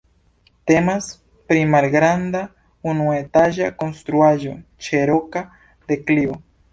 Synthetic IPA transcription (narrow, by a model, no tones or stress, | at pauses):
t̪emas | pɾimaɾɡɾand̪a | unwet̪aʒakonst̪ɾuaʒot͡ʃeɾoka | d̪eklio